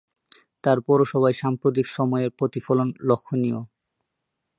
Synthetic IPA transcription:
t̪aɾpɔɾoʃɔbʱaeʃampɾot̪̬ikʃɔmɔeeɾpɾot̪ifolonlokʰːonijo̰

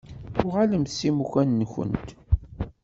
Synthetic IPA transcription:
θʊʁaləmθsimuçænːçə̰nt̪

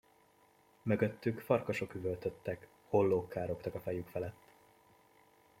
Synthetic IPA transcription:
mø̞ɡø̞t̪ːykfɒrkɒʃo̞kyvølt̪øt̪ːɛk | ho̞lːoːkːaːɾo̞kt̪ɒkɒfɛjykfɛlɛt̪ː

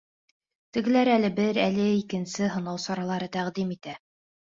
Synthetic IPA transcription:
t̪ɘ̆ɡɘ̆læɾælɘbɘɾælɘikɘ̆nsɘɦɤ̆nɑwsɑɾɑlˠɑɾɤt̪æʁd̪imit̪æ

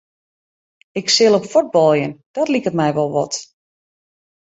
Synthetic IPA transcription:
ɪksɪlˠopfɔd̚bɔlˠjənd̥ɔtlikətmɛjʋɔlˠʋɔ̰t

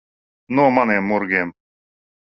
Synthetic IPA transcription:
nomanemːoɾɡem

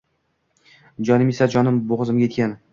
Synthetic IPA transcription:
d͡ʒɒnɪmesad͡ʒɒnɪmboʁɨzɪmɡʲajet̪̚ʲkʲan

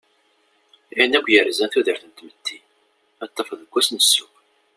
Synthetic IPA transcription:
inːækʷːjəɾzænθuðəɾθənt̪mət̪ʰːi | ɑt̪ˤːɑfðəɡʷːæsnəsːuw

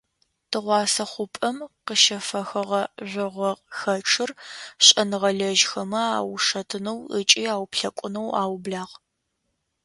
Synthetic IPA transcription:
tʰɨʁʷɑːsɐχʷʊpʼɐmqəʃɐfɐxɐʁɐʒʷɪʁʷɔqxɐʈ͡ʂʰɨrɕʼɐnɨʁɐɮɐʒxɐmɐa̰ːwʂɐtʰɨnɐwə̰t͡ʃʼiːaːwpɬɐkʷʼʊnɐwa̰ːwbɮaːʁ

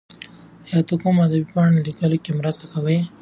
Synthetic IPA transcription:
jɑt̪okumad̪abipɑɳlikəlokemɾəst̪akawəj

